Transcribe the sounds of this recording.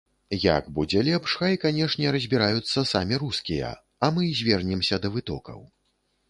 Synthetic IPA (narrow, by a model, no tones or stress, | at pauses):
ja̰ɡbud͡zʲɛlʲɛpʂxɐikanʲɛʂnʲɛɾɐzʲbʲiɾajut̪sːɐsamʲiɾuskʲijɐ̰ | ɐmɨzʲvʲɛrnʲɛmsʲɐd̪ɐvɨt̪ɔ̰kɐ̰w